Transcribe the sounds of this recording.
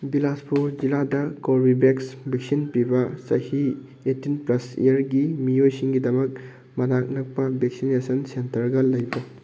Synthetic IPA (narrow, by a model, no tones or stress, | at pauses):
bilaspuɾd͡ʒiladɐkoɾbibeksbʱek̚sinpibɐsɐ̰hi | etːinplɐsḭjɐɾɡimiojsiŋɡidɐmɐk̚ | mɐnak̚nɐk̚pɐbek̚sinesɐnsentɐɾɡɐlɐjbɐ